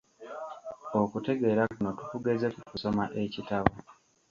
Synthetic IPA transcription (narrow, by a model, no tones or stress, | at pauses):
okute̞ɡe̞ːɾakuno̞tukuɡezekukuso̞maʔe̞citaβo